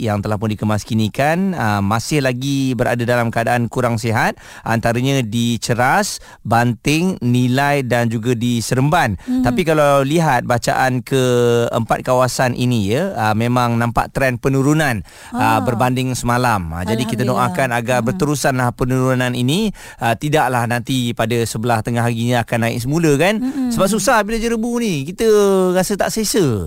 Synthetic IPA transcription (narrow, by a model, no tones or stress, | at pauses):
jaŋt̪əlahpʊndikəmaskinikanəmasɪhlaɡibəɾa̰dadalamkəadaʔankuɾaŋsiɦat̪̚ | ʔa̰nt̪aɾaɲãdit͡ʃəɾas | bant̪ɪŋnilajdand͡ʒuɡadisəɾəmbant̪apikalawliɦat̪̚bat͡ʃa̰ʔankəə̰mpa̰t̪̚kawasanʔḭnijəəmẽmãŋnãmpa̰ʔt̪ɾɛnpənuɾunan | əbərbandɪŋsəmalamə̰d͡ʒadikit̪ənoʔakanaɡarbərt̪əɾusanlahpənuɾunanini | ət̪idaʔlahnãnt̪ipadasəbəlaht̪əŋaɦaɡiɲãːkanaɪ̰ʔsəmuləkansəbap̚s̬usahbilad͡ʒəɾəbunikit̪ərasət̪a̰ʔsesə